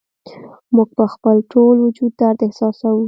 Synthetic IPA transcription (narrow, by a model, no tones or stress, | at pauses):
muɡ̚pəxpəlʈʰolwʊd͡ʒud̪̚ːaɾd̪ɪhsɑsawu